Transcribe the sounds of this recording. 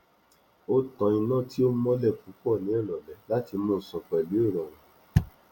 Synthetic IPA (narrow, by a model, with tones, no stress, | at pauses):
o˦tã˧ĩ˧nã˦˨ti˦o˦mɔ̃˦lɛ˦˨fu˨˦k͡pɔ˦˨nĩ˨˦ɛ˦˨ɾɔ˨lɛ˨la˨˦ti˧mõ˦˨sɔ̃˨k͡pɛ˨li˨˦o˦˨ɾɔ˨w̃ɔ̃˨